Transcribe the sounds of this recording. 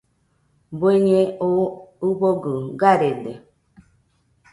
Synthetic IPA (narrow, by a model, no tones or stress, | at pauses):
bweɲẽouboɡɯɡaɾede